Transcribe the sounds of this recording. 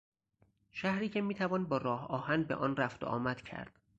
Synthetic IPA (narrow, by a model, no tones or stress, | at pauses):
ʃæhɾiːcʰemiːt̪ʰævɒːnbɒːɾɒːhɒːhænbeʔɒːnræft̪o̰ʔɒ̰ːmæd̪̥cʰæ̰ɾd̪̥